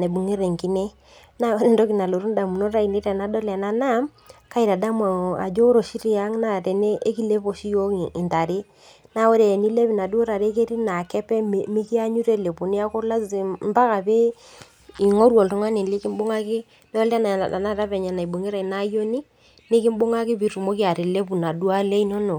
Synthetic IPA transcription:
na˨bu˨ŋe˦ɾe˨ŋki˦ne˦ | na˦ɾndo˦ki˨na˨lo˨ɾu˦nda˨mu˨no˦ɾa˦i˨ni˦ɾɛ˨na˦dɔ˦lɛ˨na˦na˦m | ka˦i˨ɾa˨da˦m˨a̰˨d͡ʒo˦ɾo˨ʃi˦ɾi˦a˦ŋna˦˨te˨ne˦ʔe˦ki˦le˦po˨ʃi˦jo˦˨ɪ˨nta˨ɾɪ˦ | na˨˦o˦ɾe˨ni˦le˦pi˨na˨du˦o˦ɾa˨ɾe˦ke˦ɾi˦na˨kɛ˦pɛ˦mɪ˦ki˦a˦ɲu˦ɾe˦le˨pu˨ni˦a˦ko˦la˦sm˦pa˦ka˨pe˦ | ɪ˨ŋɔ˦ɾwɔ˨ltʊ˨˦ŋa˦nɪ˨lɪ˦kɪ˦m˦bʊ˦ŋa˦kɪ˦ | dɔ˦lɛ˦na˨a̰˨na˦ɾa˦pɛ˨ɲa˨na˨i˨bo˨ŋi˦ɾa˨i˨na˦jo˦ni˦ | nɪ˦kɪ˦m˦bʊ˦ŋa˦kɪ˦pi˨ɾu˨mo˦ki˦a˨ɾɪ˨le˦p̬u˨na˨du˦a˦le˦i˦nɔ˦no˨

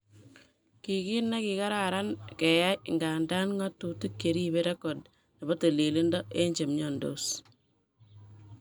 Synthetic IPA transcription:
ki˨ki˦nːa˦ki˨ka˦ɾa˨ɾa˦nke˨ja˦jŋɡa˨nda˦nŋa˦tu˨tu˦kːe˨ɾi˦be˦ɾa˦ko˨d̚ | na˨bo˦te˨li˨li˦ndɔ˦ʔe˦ɲd͡ʒe˨mɲɔ˨ndo̰˨s

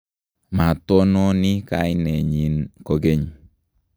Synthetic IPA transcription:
ma˨to˦no˦ni˦ka̰˦jine˨ɲi˨nko˦ɡe˦ɲ

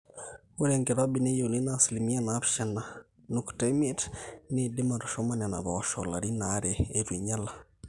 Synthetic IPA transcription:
o˦ɾɛ˨ŋɡɛ˨ɾa˦bi˨ne˦jo˨li˦na˦sli˨mi˦a˦na˦pʃɛ˨na˨ | nukta˦me˦tnɪdɪ˦ma˨ɾɔ˨ʃɔ˦ma˦nɛ˨na̰˨βa˨ɔʃɔ̰˨la̰˨ɾi˦na˨˦ɾɛː˨ɾi˨ɲa˦la˨

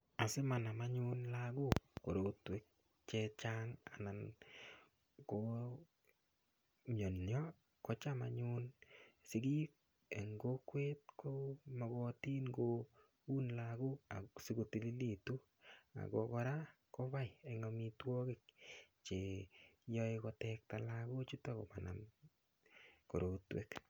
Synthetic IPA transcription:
a˨sɪ˦ma˨na˨ma˦ɲu˦nlaɡu˦ko˨ɾo˨twe˦k̚ | t͡ʃe˧t͡ʃaŋa̰˨na˨n | ko | mɔ˨njɔ˦ | kɔ˦t͡ʃa˦ma̰˨ɲu˦nsɪ˨ɡi˦k | e˨ŋɡo˦kwe˦t̚kʰomɔ˨ɡɔ˧ti˦nɡo | u˦nlaɡu˦a˨si˦ɡo˨ti˨li˦li˨tu˦ | a̰˨ko˨kɔ˧ɾa˦ | ko˦βa˦jeŋɔmitwɔ˦kɪ˦k̚t͡ʃe˨jɔ˦ekɔ˧tɛk̚ta˨laku˦t͡ʃu˦tɔ˦ko̰˨pa˨na̰˨m | ko̰˨ɾotwḛ˦k

